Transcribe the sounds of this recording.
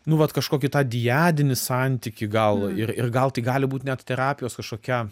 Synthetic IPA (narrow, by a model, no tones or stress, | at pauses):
nʊʋɐt̪kɐʃkoːkʲɪt̪ɑːd̪ʲɪjæːd̪ʲɪnʲɪsɑnʲt̪ʲikʲɪɡɐlˠɪrɪrɡɐlˠt̪ɐɪɡɑːlʲɪbuːt̪ʲnʲɛt̪t̪ʲɛɾɑːpʲɪjoːskɐʃkoːkʲæ